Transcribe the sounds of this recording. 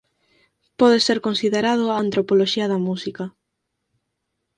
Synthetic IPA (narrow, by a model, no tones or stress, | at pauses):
pɔðeseɾkonsiðeɾað̞ʊant̪ɾopoloʃiɐðɐmusikɐ